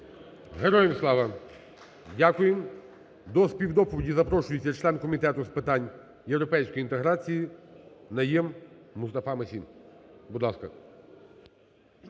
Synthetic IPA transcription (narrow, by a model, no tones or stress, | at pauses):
ɦeɾɔjemslˠɑʋɐ | dʲakʊjem | d̪ɔspʲiwd̪ɔpɔʋʲidʲizɐpɾɔʃʊjet͡sʲːɐt͡ʃlˠɛnkɔmʲit̪ɛt̪ʊspɪt̪ɑnʲ | jewɾɔpɛjsʲkɔjint̪eɦɾat͡sʲijinɐjɛmːʊst̪ɐfɑmɐsʲimbud̪lˠɑskɐ